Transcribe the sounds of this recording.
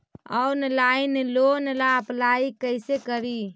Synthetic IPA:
ənlainlonlaəplaikəjsekəɾi

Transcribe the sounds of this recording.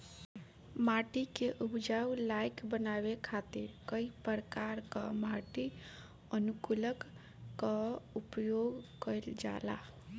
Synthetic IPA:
maʈikeʔupd͡ʒaulajkbənabekʰat̪iɾkəipəɾəkaɾkamaʈi | ənukuləkː | aupjoɡkəɪld͡ʒa̰la̰

